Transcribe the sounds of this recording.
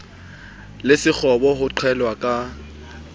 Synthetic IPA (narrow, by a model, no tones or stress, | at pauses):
lɪsɪk͡xʰɔbɔɦʊǃʰwɛlwakʼa